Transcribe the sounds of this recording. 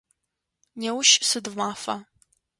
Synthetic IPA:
newʃsɨdmaːfɐ̰

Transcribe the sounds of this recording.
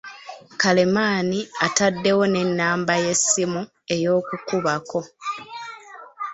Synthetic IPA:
kale̞maːniatadːe̞wo̞ne̞nːaːmbaje̞simu | e̞jo̞ːkukuβako̞

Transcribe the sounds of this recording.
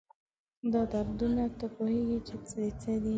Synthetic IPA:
d̪ɑt̪aɾd̪unat̪apoheɡit͡ʃet͡set͡sed̪i

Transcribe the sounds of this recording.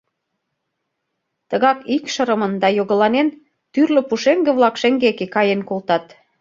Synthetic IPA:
t̪ə̆ɣɑkikʃə̆ɾə̆mə̆nd̪ɑjoɣə̆lɑnen | t̪yrlø̆puʃeŋɡĕβlɑkʃĕŋɡekekɑjenkolt̪ɑt̪

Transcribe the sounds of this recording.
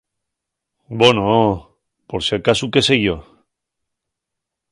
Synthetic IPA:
bono | poɾseɾkasukeseʝo

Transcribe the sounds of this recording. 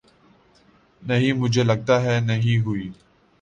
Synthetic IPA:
nɐɦĩmʊd͡ʒʱelɐɡ̚t̪aɦɛnɐɦĩɦuiː

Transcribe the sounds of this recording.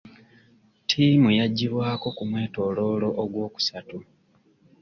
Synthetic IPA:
tʰiːmujaɟːiβwaːko̞kumwe̞ːto̞lo̞ːlo̞ʔoɡwo̞ːku̥satu

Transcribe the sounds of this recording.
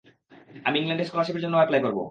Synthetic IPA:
amiiŋlaɳɖeʃkoɾaʃipeɾd͡ʑonːoɛplajkoɾbo̰

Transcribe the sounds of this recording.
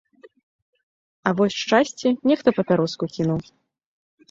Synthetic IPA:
ɐvɔsʲʂt͡ʂasʲt͡sʲɛnʲɛxt̪ɐpɐpʲaɾɔskukʲinuw

